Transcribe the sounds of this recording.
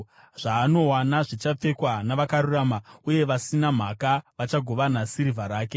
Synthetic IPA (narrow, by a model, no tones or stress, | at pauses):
ʐ̥aːno̞wanaʐit͡ʃap͡fe̞kwanaʋakaɾuramauje̞ʋasinam̤akaʋat͡ʃaɡʱo̞ʋanasiɾivʱaɾaːke̞